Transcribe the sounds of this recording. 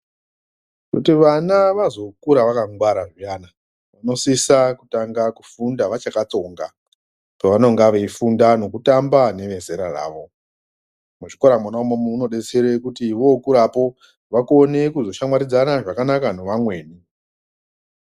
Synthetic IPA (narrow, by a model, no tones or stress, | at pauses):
kutiʋanaʋazo̞kuɾaʋakaŋɡwaɾaʐiaːna | ʋano̞sisakutaŋɡaku̥fundaʋat͡ʃakat͡so̞ŋɡa̰ | peʋano̞ŋɡaʋeifundano̞kutambane̞ʋe̞se̞ɾara̰ːʋo̞ | muʐiko̞ɾamwanaumomuuno̞ɗe̞t͡seɾekutiʋo̞kuɾapo̞ | ʋakone̞kuzo̞ʃamwaɾid͡zanaʐakanakano̞ʋamwe̞ːni